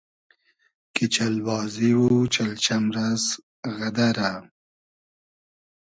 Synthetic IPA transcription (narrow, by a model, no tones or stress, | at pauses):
kit͡ʃalbɑːziwut͡ʃalt͡ʃamɾaz | ɣad̪aɾa